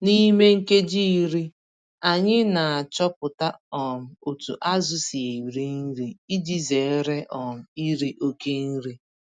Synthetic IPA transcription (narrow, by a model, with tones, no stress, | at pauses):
ni˦me˦ŋ̩˦ke˦d͡ʒi˦i˦ɾi˦ | a˨ɲɪ˦na˨a˨t͡ʃɔ˦pʊ˨ta˦ɔ˨m̩˨o˨tṵ˨ʔa˦zʊ˦si˨e˨wɾi˦n̩˦ɾi˦i˦d͡ʒi˦ze˨˦ɾe˦ʔɔ˨m̩˨˦i˦ɾi˦ʔo˦ke˦n̩˦ɾi˦